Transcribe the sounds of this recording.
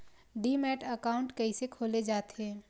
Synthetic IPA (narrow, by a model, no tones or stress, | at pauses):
ɖiːmɛːʈəkaːʊ̃ɳʈkɐisekʰoːled͡ʒaːt̪ɦɛ̃ː